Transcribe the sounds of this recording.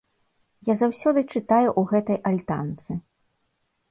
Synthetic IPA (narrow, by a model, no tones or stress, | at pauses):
jazawsʲɔd̪ɨt͡ʂɨt̪ajuʔuɣɛt̪ɐjʔalʲt̪a̰nt̪sɨ